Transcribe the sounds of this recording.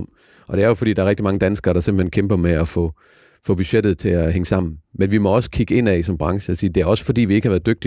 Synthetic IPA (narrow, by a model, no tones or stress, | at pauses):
ʔɒ̽d̥e̝æɐjofɒdḭːd̥ɑ̈æɐʁeɡ̥̚d̥imɑ̈ŋəd̥ænsɡ̥ɐːɾ̥ɑ̈se̝mb̥l̩henkʰemb̥ɐmeæfɔ̰̽ː | fɔ̽b̥yɕed̥ð̩ˠt͡sʰe̝æɦeŋəsɑ̈m̰n̩menʋimɒ̽ɒ̽sə̥kʰiɡ̥əe̝n̰ɛsɒ̽mb̥ʁɑ̈ŋʃəɒsiːd̥e̝æɐɒ̽sə̥fɒ̽d̥ḭːʋie̝ɡəhɑʋæːɐðˠd̥øɡ̥̚d̥i